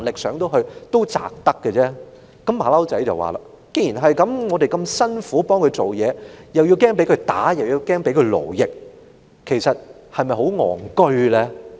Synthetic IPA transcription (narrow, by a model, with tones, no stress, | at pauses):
nlɪ˨k̚sœː˨˥ŋt̪o˥wɦɵ˧ɥt̪o˥wt͡sa̰ː˨k̚t̪ɐ˥kːɛː˧t͡sɛː˥ | kɐ˨˥mːaː˨˦lɐ˥wt͡sɐ˨˥jt͡sɐ̰˨˩wa̰ː˨˩la̰ː˨˩ | ke˥ji˨˩nɦɐ˨jkɐ˨˥mŋɔː˨˧de˨jkɐ˧msɐ˥nfuː˨˥pɔː˥ŋkʰɵ˨˧ɥt͡so˨wjɛː˨˧jɐ˨wji˧wkɛː˥ŋpe˨˥kʰɵ˧ɥt̪aː˨˥jɐ˨wji˧wkɛː˥ŋpe˨˥jkʰɵ˧ɥlo̰˨˩wjɪ˨k̚ | kʰːe˨˩jsɐ˨t̚ | hɐ˨jmɐ˨jɦo˨˥wŋɔ̰ː˨˩ŋkɵ˥ɥlɛː˥